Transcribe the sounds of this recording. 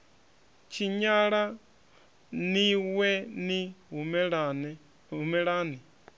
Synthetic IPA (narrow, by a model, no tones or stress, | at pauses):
t͡ʃʰiɲaɺa | niwɛniɦumn | ɦumɛɺaːni